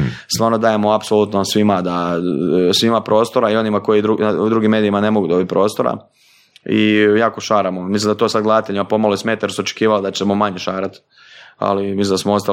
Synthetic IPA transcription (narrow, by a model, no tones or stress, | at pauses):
st̪ʋaːɾnod̪aːje̞moapsolut̪nosʋimad̪a | sʋimapɾo̞ːst̪oɾaio̞nimako̞id̪ɾud̪ɾuɡimːe̞ːd̪ijimane̞mo̞ɡud̪o̞bit̪̚pɾo̞ːst̪o̞ɾa̰ | ḭjaːkoʃaːɾamomislimd̪at̪osad̪ɡlad̪t̪eʎimapo̞maloismeːt̪aje̞ɾsuot͡ʃe̥kiːʋald̪at͡ɕemomaɲe̞ʃaːɾat̪ | a̰limislind̪asmoo̞st̪a